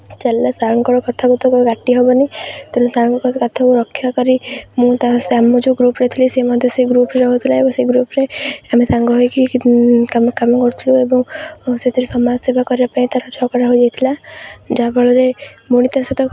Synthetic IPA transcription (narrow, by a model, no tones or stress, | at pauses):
d͡ʒɛlːasaɾɔŋkɔɽɔkɔt̪ʰakut̪ʰɔkɔɡaʈːiɦɔbɔnit̪ɔnũsaɾŋkɔkɔkɔt̪ʰakuɾɔkʰːjakɔɾimũt̪aseamɔd͡ʒoɡɾupɾet̪ʰilisemɔd̪ʱjeseɡɾupɾeɾɔɦot̪ʰilaebɔŋseɡɾupɾeamisaŋɡɔɦɔjkikamkamɔkɔɾt̪ʰiluebɔŋset̪ʰiɾesɔmad͡ʒsebʱakɔɾiapaĩt̪aɾɔt͡ʃʰɔkaɾaɦod͡ʒajt̪ʰilad͡ʒabɔɭɔɾemuɽ̃it̪aset̪ɔ